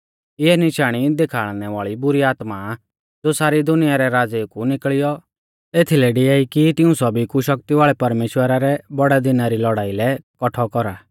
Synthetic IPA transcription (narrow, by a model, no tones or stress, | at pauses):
ɪɛnɪʃaːɽ̃id̪ekʰaːɭnɛʋaːɭibʊɾiaːt̪ma | d͡zosaːɾid̪ʊnɪjaɾɛɾaːd͡zekunɪkɭɪjɔ | eːt̪ʰilɛɖɪaːikit̪ɪũsɔbikuʃɐk̚t̪iʋaːɭɛpɐɾmeːʃwəɾaɾɛbɔɽɛd̪ɪnaɾilɔɽaːilɛkɔʈʰɔkɔɾaː